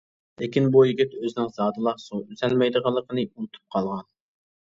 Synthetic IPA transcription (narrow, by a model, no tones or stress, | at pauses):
lɪkʲinbujiɡʲit̪øzɪnɪŋzɑːd̪ɨlˠɑχsoyzɛlmɛjd̪əʁɑlˠːəqʰənɨunɨt̪ʰu̥p̚qʰɑlˠʁɑn